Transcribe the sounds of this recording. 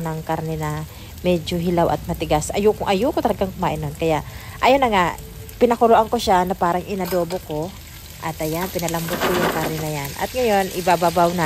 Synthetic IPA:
nɐŋkaɾnɛnɐ | mɛd͡ʒoɦɪlawʔɐ̰t̪̚mɐt̪ɪɡasɐjʊkʊŋʔɐjʊkot̪ɐlɐɡaŋkʊmaːʔɪnonkɐjaʔʔɐjonːɐŋa | pɪnɐkʊloʔaŋkoʃanɐpaːɾɐŋʔɪnɐd̪o̞ːboko̞ | ʔɐt̪ɐjanpɪnɐlɐmbot̪̚kojʊŋkaɾnɛnɐjanʔɐ̰t̪̚ŋɐjo̞nʔɪbababawna

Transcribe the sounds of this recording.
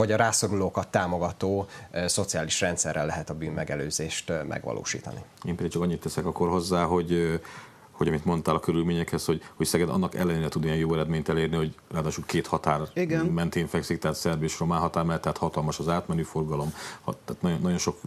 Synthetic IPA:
vɒɟɒɾaːso̞ɾuloːkɒt̪ːaːmo̞ɡɒt̪oːso̞t̪sijaːliʃrɛnt̪sɛrːɛlːɛɦɛt̪ɒbyːnmɛɡɛlø̰ːzeːʃt̪mʔɛ̰ɡʋɒ̰lʔo̰ːʃḭːt̪ɒ̰nḭeːmpɛd̪ikt͡ʃɒkɒɲːit̪ːɛsɛkɒkːo̞rɦo̞zːaːɦo̞ɟ | ho̞ɟɒmit̪mo̞nt̪aːlɒkøɾylmeːɲɛkhɛsho̞ɟho̞csɛɡɛd̪ɒ̰nːɒkɛ̰lːɛneːɾɛt̪ud̪iɛnjoːɛɾɛd̪meːɲt̪ɛleːrniho̞ɟraːd̪aːʃulkeːt̪hɒt̪aːriɡɛmɛnt̪eːɱfɛksikt̪ɛɦaːt̪sɛrbeːʃromaːnɦɒt̪aːrmɛlt̪ɛɦaːt̪hɒt̪ɒlmɒʃɒzaːt̪mɛnyːfo̞rɡɒlo̞mhɒ̰t̪ːt̪nɒjonːɒɟo̞nʃo̞k

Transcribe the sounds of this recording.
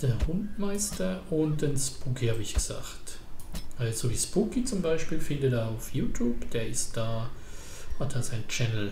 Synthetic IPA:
d̥eːɐhʊntmaɪstɐʊnt̚d̥enspukʰihaːbiɪçɡ̥əz̥a̰ːxtʔɛz̥oviːspukit͡sʊmbaɪʃpiːlfɪndədeːɐaʊfjuːtʰjuːpd̥eːɐɪst̚d̥aː | hatd̥aːsaɪnt͡ʃɛnl̩

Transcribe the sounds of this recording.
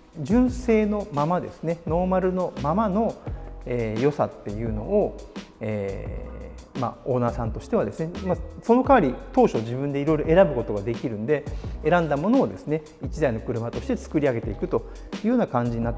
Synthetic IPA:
d͡ʑɨ̃ɰ̃se̞ːno̞mamad̪e̞̰sɨ̥ne̞no̞ːmaɾɯ̟no̞mamano̞eːjo̞sa̰t̪ːe̞jɯ̟ːno̞ːeː | ma̰o̞ːnaːsãnt̪o̞ɕi̥t̪ead̪e̞sɨne̞maso̞no̞kaaɾʲit̪o̞ːɕo̞ʑibɯ̃nd̪e̞iɾo̞jɾo̞ʔe̞ɾabɯ̟ko̞t̪o̞ɡad̪e̞kʲiɾɯ̟̃nd̪e̞eɾãnd̪amo̞no̞ːd̪e̞sɨne̞ | it͡ɕid̪aino̞kɯ̟ɾɯ̟mat̪o̞ɕi̥t̪e̞t͡sɨ̥kɯ̟ɾʲiaɡe̞t̪e̞ikɯ̟t̪o̞ | jɯːhɯoːnakãɲ̟d͡ʑiɲ̟inat̪ːe

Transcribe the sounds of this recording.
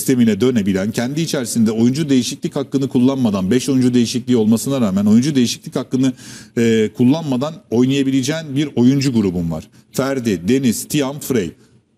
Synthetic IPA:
st̪ʰe̞minɛd̪ø̞nebilʲæncʰɛnd̪iːt͡ʃʰæɾsind̪ɛo̞jund͡ʒud̪e̞jiʃiclʲichakːɯnɯkʰulˠːanmad̪anbɛʃo̞jund͡ʒud̪e̞jiʃiclʲiːo̞lˠmasɯnaɾaːmæno̞jund͡ʒud̪e̞jiʃiclʲichakːɯnɯ | kʰulˠːanmad̪ano̞jnˠajabilʲed͡ʒɛːnbiɾo̞jund͡ʒuɡuɾubunva̰ɾ̥ | fæɾd̪id̪e̞nizt̪ʰijamfɾej

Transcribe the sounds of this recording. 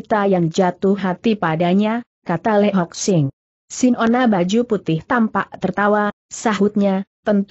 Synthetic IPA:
t̪ajaŋd͡ʒat̪ʊhɦat̪ipadaɲa | kat̪alɛɦɔk̚sɪŋ | sɪnonabad͡ʒuput̪ɪht̪ampaʔt̪ərt̪awa | saɦʊt̪̚ɲat̪ənt̪

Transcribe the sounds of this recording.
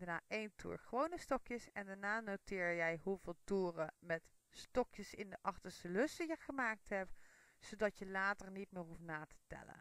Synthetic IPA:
ənaːʔejntʰṵːɹχəʋownəstɔkjəsɛndaɹnaːnowtɪːɹjɛjɦuvɪːlˠtuːrəmɛt | stɔkjəsɪndəʔɑχtəɹstəlɵsəjəχəmaːk̚tɦɛp | sodɑtjəlaːtərnitmɪːrɦuftnaːtʰə̥tɛ̰lə̰n

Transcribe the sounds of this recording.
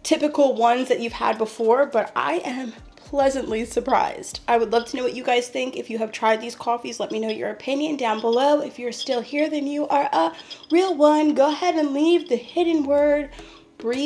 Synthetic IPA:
tʰɪpɨkl̩ˠwʌ̃nzðɨt͡ʃʉv̥ə̰d̚bəfɔɹbʌɾʔa̰ɪʔɨ̃m | pʰl̥ɛzɨ̃nʔlisə˞pʰɹ̥a̰ɪz̥d̥ʔaɪwədˡlʌv̥tʰɨnoʊwʌt͡ʃɨɡaɪz̥θɪ̃ŋkɨfjɨɨv̥tʰɹ̥aɪd̪̚ðiz̥kʰɔfizlɛt̚minoʊjə̰˞ɨpʰɪ̃njɨ̃ndãʊ̃nbəloʊɨfjə˞stɪlˠhiɹðɨ̃njuʔə˞ʔəɹilˠwʌ̃nɡoʊəhɛɾɨ̃nlivðɨhɪdⁿn̩wɜ˞d̚ | b̥ɹi

